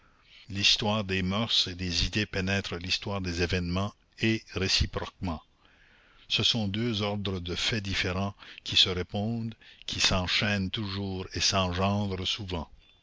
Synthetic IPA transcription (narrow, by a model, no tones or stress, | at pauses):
list̪waːʁd̪emœʁsed̪ezid̪epenɛt̪ɾəlist̪waːʁd̪eːzevɛnmɑ̃ | eʁesipɾɔk̚mɑ̃ | səsɔ̃d̪øzɔʁd̪ʁəd̪əfɛd̪ifeʁɑ̃kʲʰisəʁepɔ̃ːd̪kʰʲisɑ̃ʃɛnt̪uʒuːʁesɑ̃ʒɑ̃ːd̪ʁəsuvɑ̃